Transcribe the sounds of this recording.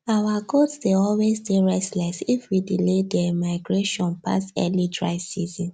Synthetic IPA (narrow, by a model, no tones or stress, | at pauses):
awaɡotsdeɔlwezdeɹɛstlɛsifwidiledɛmaɪɡɹeʃɔ̃npa̰stɛ̰lidɹa̰ɪsizɔ̃n